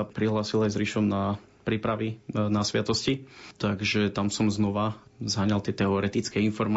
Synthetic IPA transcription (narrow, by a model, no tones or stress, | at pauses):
apɾiɦlaːsilajzɾiʃɔmna | pɾiːpɾaʋinasʋɪat̪ɔscit̪aɡʒɛt̪amsɔmznɔʋazɦaɲalt̪ɪɛt̪ɛɔɾɛt̪it͡skɛinfɔɾma